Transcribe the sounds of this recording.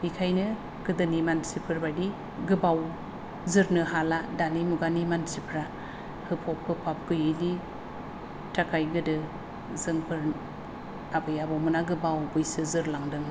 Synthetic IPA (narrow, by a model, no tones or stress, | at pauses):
bikʰajnɯ | ɡ̥ɯdɯnimansipʰɯɾbadi | ɡɯbaw | zɯɾnɯɦaladanimuɡanimansipʰɾa | hɯpʰɔp̚hɯpʰap̚ɡ̥ɯjɯli | takʰajɡɯdɯ | zɯŋpʰɯɾ | abɯjabɔmɯnaɡɯbawbɯjsɯzɯɾlaŋdɯŋ